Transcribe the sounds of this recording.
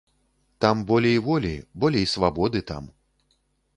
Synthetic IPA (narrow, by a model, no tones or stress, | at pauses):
t̪ambɔlʲɛivɔlʲḭbɔlʲɛisvabɔd̪ɨt̪a̰m